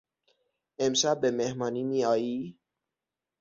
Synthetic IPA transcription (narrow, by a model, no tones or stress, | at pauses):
emʃabemehmɒːniːmiːɒːjiː